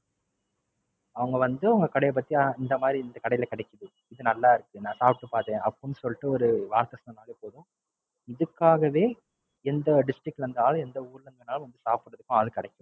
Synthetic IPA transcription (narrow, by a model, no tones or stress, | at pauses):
ɐʋɐŋɡɐʋɐnd̪ɯɐʋɐŋɡɐkɐɽɐjɐp̬ːɐt̪ːiɐɪnd̪ɐmaːd̪ɾiɪnd̪ɐkɐɽɐjɪlɐkɐɽɛkʲːɐðɯ | ɪðɯnɐlːaːɪɾɯkːɯnãːsaːpʈːɯpaːɾt̪ẽːʔɐpːɐnɯsɔlːɪʈːɯɔɾɯʋaːɾt̪ɐsɐnɐnaːleːpoːðʊ̃ | ɪðɯkːaːɣɐʋeː | ɛnd̪ɐɖɪsʈɾɪk̚ʈːɾɯnd̪naːlɐ̃ɛnd̪ɐuːɾlɐŋɡɐnaːl̃ʋɐnd̪ɯsaːpɯɽːɐðɯkːʊ̃aːðɯkɪɽɛkʲːɯ̃